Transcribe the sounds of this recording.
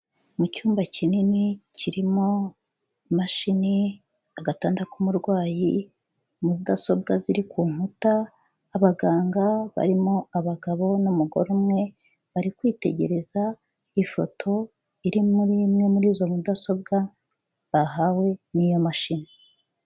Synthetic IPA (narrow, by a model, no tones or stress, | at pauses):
mucuːmbacʰininicʰiɾimo | maʃini | aɡataːndakumuɾɡwaːji | muzidaso̞bɡaziɾikʰuːŋ̥utaː | βaɡaːŋɡaβa̰ɾimoaβaɡaβo̞numuɡo̞̰ɾumŋe̞ | βaɾikwiːte̞̰ɟe̞ɾe̞za | ifo̞̰tʰo̞ | iɾimuɾimŋe̞muɾiːzo̞mudaso̞b̚ɡa | βaɦawe̞niːjo̞maʃini